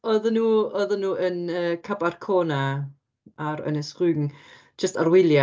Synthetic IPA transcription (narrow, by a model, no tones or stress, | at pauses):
ɔðənuːɔðənuːʔənəːkʰabarkʰoːna | aɾə̰nɛsrʉːŋ̥ | d͡ʒəstarwɪlˠja